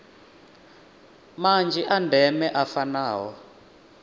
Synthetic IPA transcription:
mand͡ʒiʔandʱɛmɛʔafanaːɦɔ

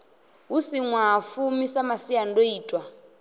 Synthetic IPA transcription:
ɦusiŋwafumisamasijandoiːtʼwa

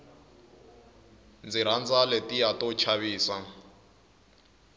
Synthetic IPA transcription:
nd͡ziɾ̤and͡zaletijatɔt͡ʃʰaβiːsa

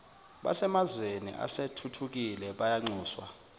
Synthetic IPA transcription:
ɓa̰sɛmazwenḭʔa̰setʰutʰuk̬ilɛɓajaŋ͡ǀʱuːswa̰

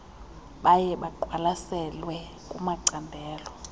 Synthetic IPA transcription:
ɓajɛɓaǃʱwalasɛlwɛ | kʼumaǀandʱɛːlɔ

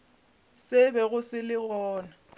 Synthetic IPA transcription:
sɪbɛɣʊsɪlɪɣɔːna

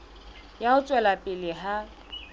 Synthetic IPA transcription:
jaʊt͡sʼwɛlapʼɪlɪɦa

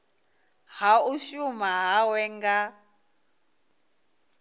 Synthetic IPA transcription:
hauʃumaɦawɛŋɡa

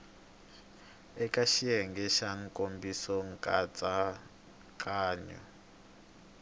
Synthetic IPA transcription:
ɛkʼaʃiɛŋɡɛʃaŋ̩kʼombisɔŋkʼat͡sʼa | kʼaːɲɔ̰

